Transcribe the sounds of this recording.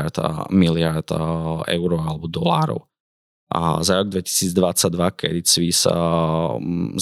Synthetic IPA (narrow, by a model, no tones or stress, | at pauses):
ɾt̪milɪaɾt̪ɛ̰ʊɾɔalɛbɔd̪ɔlaːɾɔ̰ʊ | a̰zaɾɔɡ̚d̪ʋɛci̥siːd͡zd̪ʋat͡saɟd̪ʋakʰɛ̰d̪it͡sʋis